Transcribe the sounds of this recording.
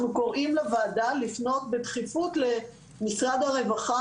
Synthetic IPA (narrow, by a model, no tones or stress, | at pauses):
nuko̞ʁʔimlevaːdalifno̞tbetχifutle̞ | misʁad̪haʁe̞vaχa